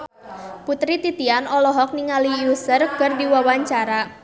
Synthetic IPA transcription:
put̪ɾit̪it̪ianɔlɔɦɔk̚niŋalijusərkərdiwawaɲt͡ʃaɾa

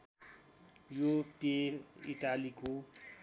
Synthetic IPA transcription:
jopeḭʈaliko

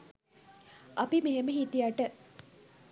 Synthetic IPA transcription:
ʔapimeɦeməɦit̪ijaʈə

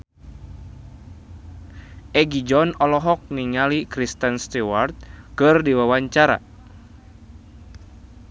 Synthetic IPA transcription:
ʔɛɡid͡ʒɔnɔlɔɦɔk̚niŋalikɾist̪ənst̪iwart̪̚kɨrdiwawaɲt͡ʃaɾa̰

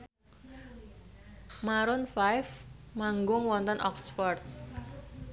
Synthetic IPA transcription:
maɾʊnfajfmaŋɡʊŋwɔnt̪ɔnʔɔksfɔrt̪̚

